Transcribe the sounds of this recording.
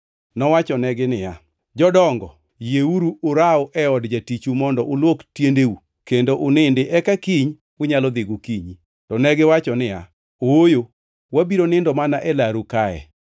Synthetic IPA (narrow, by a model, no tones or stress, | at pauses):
nɔwat͡ʃɔnɛɡɪnɪja | d͡ʒɔdɔŋɡɔ | jeuɾuʊɾaɔʔɛɔdd͡ʒatit͡ʃumɔndɔʔʊlwoktjendeu | kendoʔʊnɪndɪʔɛkakiɲ | ʊɲalɔd̪ɪɡukiɲi | tɔnɛɡɪwat͡ʃɔnɪja̰ | oojo | wabiɾonɪndɔmanaʔɛlaɾukaɛ̰